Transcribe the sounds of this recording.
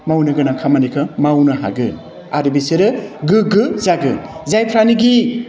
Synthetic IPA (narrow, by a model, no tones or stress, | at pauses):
mawnɯɡɯnakʰamanikʰɯmawnɯɦa̰ɡɯn | aɾɯbiseɾɯɡɯɡɯzaɡɯnzajpʰɾaniɡi